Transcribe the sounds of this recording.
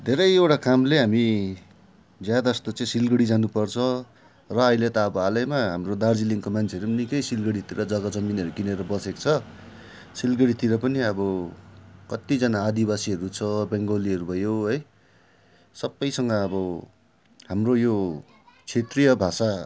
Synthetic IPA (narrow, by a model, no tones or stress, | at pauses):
d̪ʱeɾʌjewʈakamleɦami | d͡zjad̪aʌst̪ot͡sʌĩsilɡʌɽid͡zanupʌrt͡sʰʌ̃ | rʌːilet̪ʌʌbʌalʌjmaɦamrod̪ard͡ziliŋkomant͡sʰeʌɾunikʌjsilɡʌɽit̪iɾʌd͡zʌɡʌd͡zʌminʌɾukineɾʌbʌsekt͡sʰʌ | silɡʌɽit̪iɾʌpʌniʌbʌ | kʌt̪id͡zʌnaːd̪ibasiʌɾut͡sʰʌbeŋɡoliʌɾubʱʌjoɦʌj | sʌbːʌjsʌŋɡʌːbʌ | ɦamrojo | t͡sʰet̪rijʌbʱasa